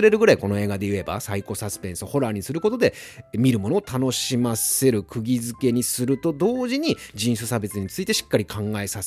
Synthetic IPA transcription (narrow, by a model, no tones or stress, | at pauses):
ɨɾe̞ɾɯ̟ɡɯ̟ɾaiko̞no̞e̞ːɡad̪e̞jɯ̟e̞ba̰saiko̞sasɨ̥pẽ̞ɰ̃sɨoho̞ɾaːɲ̟isɨɾɯ̟ko̞t̪od̪e̞ | mʲiɾɯ̟mo̞no̞ːt̪ano̞ɕimase̞ɾɯ̟kʰɯ̟ɡʲizɨke̞ɲ̟isɨɾɯ̟t̪o̞d̪o̞ːʑiɲ̟id͡ʑĩɰ̃sɨsabe̞t͡sɨɲ̟it͡sɨit̪e̞ɕi̥kːaɾʲikʰãŋɡae̞sase